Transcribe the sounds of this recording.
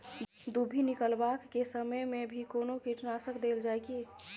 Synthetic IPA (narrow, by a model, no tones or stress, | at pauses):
d̪ubʱinɪkəlbakːesəməjmẽbʱikoːnokiʈnaːsəkd̪eːld͡ʒaeke